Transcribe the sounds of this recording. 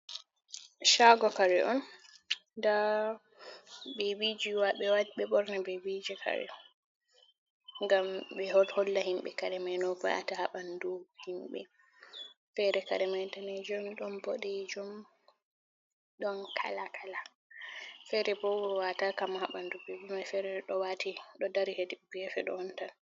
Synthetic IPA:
ʃaɡɔkaɾɛʔɔn | da | bebid͡ʒiwaɓɛwaɓɛɓɔɾnabebid͡ʒikʰa̰ɾɛ̰ɔ | ŋɡamɓɛhɔlhɔlːahimɓɛ̰kaɾɛmajnɔfɔjʔa̰tahaɓanduhimɓɛ | fɛɾɛka̰ɾɛmajtanɛd͡ʒɔmɗɔnbɔɗɛd͡ʒɔm | ɗɔnkʰa̰lakʰala | fɛɾɛbɔwɔwatakamahaɓandubɛd͡ʒumajfɛɾɛɗɔwatiɗɔdaɾihediuɡɛfɛɗɔ̰ɔntan

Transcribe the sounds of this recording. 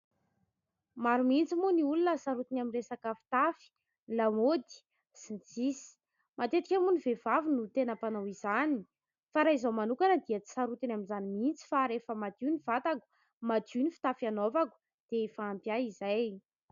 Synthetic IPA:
maɾumint͡simuniulunəsaɾut̪inamiresakəfi̥t̪afi̥ | lamod̪i̥ | sint͡sisi̥ | mat̪et̪ikʲamunivevavinut̪enapanawizani | faɾaizawmanukanəd̪iət͡si̥saɾut̪inaminzanimint͡si̥faɾefəmad̪iniv̥at̪aku̥ | mad̪unifi̥t̪afanovaku̥ | d̪̥efaːmpjaizaj

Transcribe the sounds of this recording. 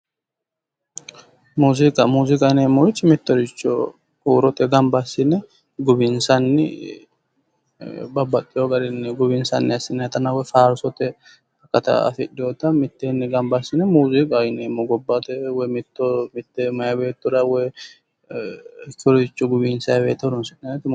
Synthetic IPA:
muːzɪkʼɐmuːzɪkʼɐneːmːɔɪt͡ʃːmɪt̪ːɔɾɪt͡ʃːɔ̰ | kuːɾɔt̪ɛɡɐmbɐsːɪnːɛ | ɡʊbɪnsɐnːɪ̰ | bɐbːɐkʼːɪjoɡɐɾɪnːɛɡʊbɪnsɐ̰nːɪɐsːɪnːɛt̪ɐnɐwɔjfaːɾsɔt̪ɛ | ɐkːɐt̪ɐ̰ɐ̰fɪᶑɪjɔt̪ɐmɪt̪ːenːɛɡɐmbɐsːɪnɛmuːzikʼajɪnemːɔɡɔbːɐt̪ɛwɔjmɪt̪ːɔmɪt̪ːemɐjɐbeːt̪ːʊɾɐwɔj | ɪkːɔɾɔd̪ɪt͡ʃːɔɡʊbɪnsɐjɐbeːt̪ːɐd̪ʊnsɪnːɐnt̪ːɪ

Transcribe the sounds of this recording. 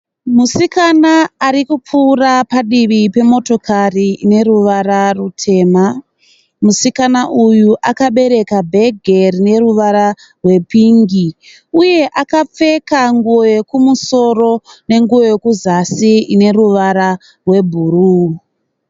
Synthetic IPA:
musikanaːɾikup͡fuːrapaɗiʋipe̞mo̞to̞kʰariine̞ɾuʋaɾarutʰe̞ːma | musikanaʔujuʔakaɓe̞ɾe̞kabʱe̞ɡʱerine̞ruʋaɾa | rwe̞piŋɡi | uje̞ʔakap͡fe̞kaŋɡuoje̞kumuso̞ro̞ne̞ŋɡuoje̞kuzasiine̞ruʋaɾa | rwe̞bʱuruː

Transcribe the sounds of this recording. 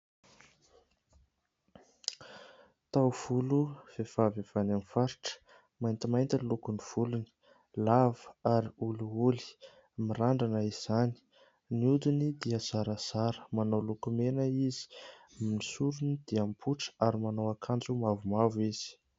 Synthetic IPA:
t̪awv̥uluv̥ev̥avav̥anamifaɾiʈ͡ʂə̥ | majnt̪imajnt̪əlukuniv̥uluni̥ | lavəaɾiuluuli̥ | miɾaɳɖ͡ʐanəiz̥ani̥ | niud̪unid̪iəz̥aɾəz̥aɾə̥manawlukumenəizi̥ | amnisuɾunid̪̥iampʰuʈ͡ʂə̥aɾimanawakʰand͡zumavumaviz̥i̥

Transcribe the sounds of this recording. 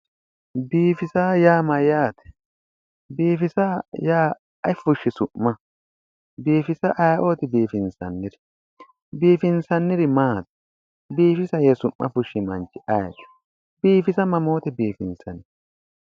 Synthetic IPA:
biːfɪsaːjaːmɐjaːt̪ɛ̥ | biːfɪsɐjaː | ɐjfʊʃːɪsʊʔːɐ | biːfɪsɐʔɐjʔoːt̪ɪbiːfɪnsɐ̰nːɪɾɪ | biːfɪnsɐnːɪɾɪmaːt̪ɛ̥ | biːfɪsɐjɛsʊʔːɐ̰fʊʃːɪmɐnt͡ʃːɪʔɐjt͡ʃʊ̥ | biːfɪsɐmɐmo̞ːt̪ɛbiːfɪnsɐnɛ

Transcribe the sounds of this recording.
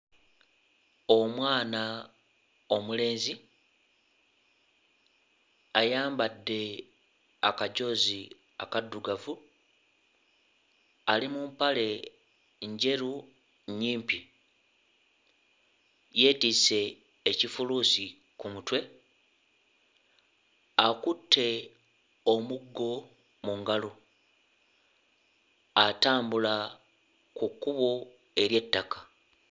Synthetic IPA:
o̞mwaːna | o̞mule̞ːnzi | ajaːmbadːe̞ | akaɟo̞ːzi | a̰kadːuɡavu | alimumpale̞ | ɲɟe̞ɾu | ɲiːmpi | je̞ːtise̞ː | cifuluːsi | kumutwe̞ | akutːe̞ | omuɡːo̞ | muŋɡalo | ataːmbula | kukːuβo | e̞ɾje̞tːakḁ

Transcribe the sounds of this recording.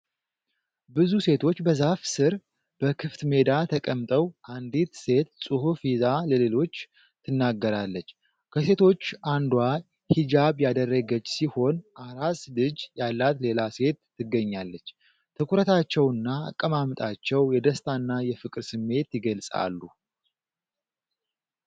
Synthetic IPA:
bɨzuse̞t̪ʰo̞t͡ʃːbəzafsɨɾ | b̥əkʰɨft̪me̞d̪at̪ʰəkʼəmt̪ʼəwʔand̪it̪se̞t̪sʼɨhufizaləle̞lo̞t͡ʃː | t̪ʰɨnːaɡːəɾalːət͡ʃː | kʰəse̞t̪ʰo̞t͡ʃːand̪wa | hid͡ʒaβjad̪ərːəɡət͡ʃːsiho̞nʔaɾaslɨd͡ʒjalːat̪le̞lase̞t̪ːɨɡːəɲːalːət͡ʃː | t̪ʰɨkʰʷuɾət̪ʰat͡ʃːɛwɨnːa̰ːkʼːəmamt̪ʼat͡ʃːɛwjɛd̪əst̪ʰanːajɛfɨkʼɾsɨmːe̞t̪jɪɡəlsʼa̰lːu

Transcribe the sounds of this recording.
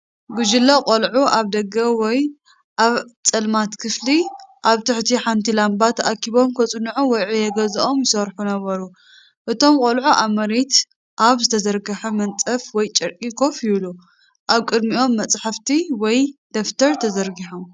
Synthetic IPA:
ɡud͡ʒɪlːokʼolʕuʔaβd̪ɐɡɐwɔj | ʔaβt͡sʼɐlmat̪kʰɨfliʔaβt̪ʰɨħt̪ʰiħant̪ʰilambat̪ʰʔakʰiβo̞mkʰɐt͡sʼɨnːʕuwɔjʕujɛɡɐzɐʔo̞mjɪsɐɾħunɐβɐɾu | ʔɨt̪ʰo̞mkʼolʕuʔamɐɾet̪ | ʔaβzɨt̪ʰɐzɐɾɡɐħɐmɐnt͡sʼɐfwɔjt͡ʃʼɐɾkʼikʰo̞fjɪβlu | ʔaβkʼɨd̪miʔo̞mːɐt͡sʼħaft̪ʰiwɔjd̪̥ɐft̪ʰɐɾt̪ʰɐzɐɾɡiħom

